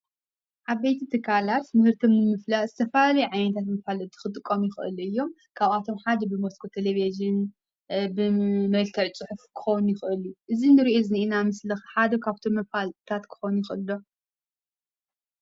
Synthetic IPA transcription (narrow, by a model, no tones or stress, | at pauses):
ʔaβbejt̪ʰit̪ʰɨkʰːalat̪mɨhɨɾt̪ʰomnɨmɨflaʔzɨt̪ʰɐfɐlalɐjʕajnɐt̪ʰat̪mɐfalɨnt̪ʰɨ̥xɨt̪ʼɨkʼːomjɪxɨ̰lɨjːo̞m | kʰaβat̪ʰo̞mħad̪ɐbɨmoskʰot̪ʰeleveʒɨn | bɨmɐlk̪ʰɐʕt͡sʼɨħufkʰɨ̥xownjɪxʔɨluʔɨzinɨɾiʔozɨnʔinamɨslɐxħad̪ɐkʰaβt̪ʰo̞mːɐfalt̪ʰat̪kʰɨ̥xonujɪxʔɨlːo